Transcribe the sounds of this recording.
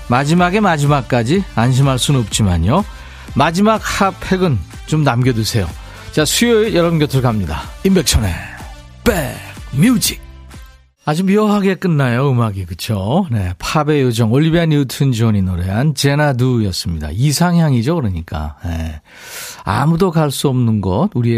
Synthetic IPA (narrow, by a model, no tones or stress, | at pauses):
mad͡ʑimaɡe̞mad͡ʑimak̚k͈ad͡ʑianɕ̬ʰimɦaɭs͈unnʌp̚t͡ɕ͈imaɲjo | mad͡ʑimak̚hapʰe̞ɡɯn | t͡ɕomnamɡjʌdusʰe̞jo̰ | t͡ɕasʰujojʌɾʌbunkjʌtʰɯɭkamɲida̰imbe̞k̚ɕʰʌne̞̰ | pek̚mjud͡ʑik̚ | ad͡ʑumiʌɦaɡe̞k͈ɯnːajoɯmaɡikɯt͡ɕʰone̞pʰabe̞jod͡ʑʌŋoɭːibianutʰɯnd͡ʑioɲinoɾe̞ant͡ɕe̞nadujʌs͈ɯmɲida̰isʰaŋɦjaŋid͡ʑokɯɾʌɲik͈a̰nḛ | a̰mudokaɭs͈uʌmnɯnɡʌt̚uɾie